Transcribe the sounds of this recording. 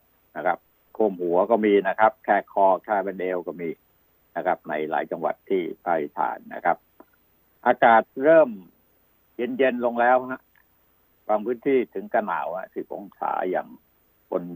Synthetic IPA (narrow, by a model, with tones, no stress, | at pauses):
na˦˥˩kʰa˦˥p̚ | kʰu˧˩mhu˩˦ɐkɔː˥˩miː˧na˦˥kʰa˦˥p̚kʰɛː˧˩kʰɔː˧k̪ʰaː˧˩bɛ˧nʔeː˧wkɔː˥˩miː˧ | na˦˥kʰa˦˥p̚na˧jla̰ː˩˦jt͡ɕa˧ŋwa̰˨˩t̪ʰːiː˥˩pʰaː˧ɾi˦˧˩t̪ʰa̰ː˩˦nːa̰˦˥kʰa˦˥p̚ | ʔaː˧kaː˨˩t̪̚ɾɤː˥˩m | je˧nje˧nlo˧ŋlɛː˦˥wha˦˥ʔ | waː˧ŋpʰɯː˦˥nt̪ʰiː˥˩t̪ʰɯ˩˦ŋka˧na̰ː˩˦wha̰˧˥siː˨˩pʰo̰˨˦ŋsʰa̰ː˩˦ja̰ː˨˩ŋ | bo˧n